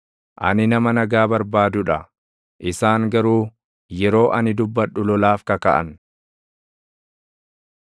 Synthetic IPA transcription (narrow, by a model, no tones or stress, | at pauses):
ʔɐ̰nɪnɐmɐnɐɡaːbɐɾbaːd̪ʊᶑɐ | ʔɪsaːŋɡɐɾuː | jɛɾo̞ːʔɐnɪd̪ʊbːɐᶑːʊlɔlaːfkɐkɐʔɐ̰n